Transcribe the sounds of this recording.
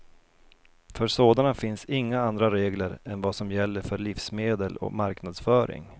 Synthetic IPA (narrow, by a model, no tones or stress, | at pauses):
fœɾsoːd̪anafɪnsɪŋːaand̪ɾaɾeːɡləɾɛnvasɔmjɛlːəɾfœɭɪfsmeːd̪əlɔ̰maɾknad̪sfœːɾɪ̰ŋ